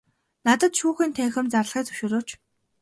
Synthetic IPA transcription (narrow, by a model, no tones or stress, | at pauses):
nat̪ə̆t̪ʃuːxiːnt̪ʰæːxɘ̆mt͡sarɮχiːt͡sɵwʃʊːɾoːt͡ɕ